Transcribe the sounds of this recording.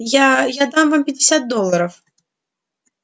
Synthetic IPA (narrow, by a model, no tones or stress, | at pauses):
jajad̪amvampʲɐdʲɪsʲat̪̚d̪ɔlˠːɐɾɐf